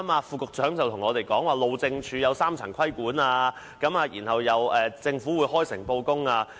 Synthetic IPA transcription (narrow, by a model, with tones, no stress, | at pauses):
maː˧fuː˨˧kʊ˨k̚t͡sœː˨˥ŋt͡sɐ˨wt̪ʰʊ˨˩ŋɔː˨˧t̪e˨jkɔː˨˥ŋwaː˨lo˨wt͡sɪ˧ŋt͡ʃʰyː˨˧jɐ˨˧wsaː˥mt͡sʰɐ̰˨˩ŋkʰɐ˥jkuː˨˥naː˧ | kɐ˨˥maː˨˧jiː˨˩nhɐ˨wjɐ˨˧wɛː˨˧t͡sɪ˧ŋfuː˨˥wuː˨˧jhɔː˥jsɪ˨˩ŋpo˧wkʊ˥ŋaː˧